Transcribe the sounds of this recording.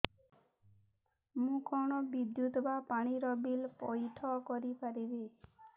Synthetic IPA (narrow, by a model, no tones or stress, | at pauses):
mũkɔɽ̃ɔbid̪jut̪ɔbapaɽ̃iɾɔbilpɔjʈʰɔkɔɾipaɾibe